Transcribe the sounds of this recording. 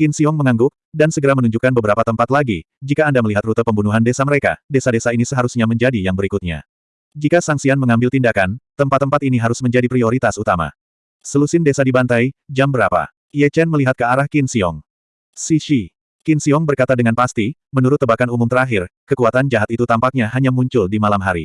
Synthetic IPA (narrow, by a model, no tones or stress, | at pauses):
kinsiɔŋməŋaŋɡʊk̚dansəɡəɾamənuɲd͡ʒukanbəbəɾapat̪əmpat̪laɡi | d͡ʒikaːndaməliɦat̪rut̪əpəmbunuɦandesaməɾeka̰desadesainisəɦaɾusɲaməɲd͡ʒadijaŋbəɾikut̪̚ɲa̰ | d͡ʒikasaŋsianməŋambɪlt̪indakant̪əmpat̪ːəmpat̪iniɦaɾʊsməɲd͡ʒadipɾioɾit̪asut̪ama̰ | səlusɪndesadibant̪ajd͡ʒambəɾapa̰ | iɛt͡ʃɛnməliɦat̪̚kəaɾahkinsiɔ̰ŋ | siʃi | kinsiɔŋbərkat̪adəŋanpast̪i | mənuɾʊt̪ːəbakanumumt̪əɾaɦɪrkəkuat̪and͡ʒaɦat̪it̪ut̪ampak̚ɲaɦaɲamuɲt͡ʃʊldimalamɦaɾḭ